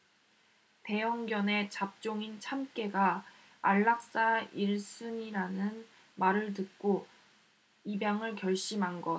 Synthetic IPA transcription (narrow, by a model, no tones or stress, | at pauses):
te̞jʌŋɡjʌne̞t͡ɕap̚t͡ɕ͈oŋint͡ɕʰamk͈e̞ɡa | aɭːak̚s͈aiɭs͈ɯɲiɾanɯn | maɾɯɭt̬ɯk͈o | ibjaŋɯɭkjʌɭɕ͈imɦanɡʌ